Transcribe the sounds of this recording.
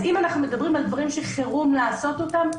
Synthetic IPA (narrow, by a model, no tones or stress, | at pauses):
imanaχnume̞d̪ɐbʁimald̪vaʁimʃe̞χeʁumlaːso̞t̪o̞tam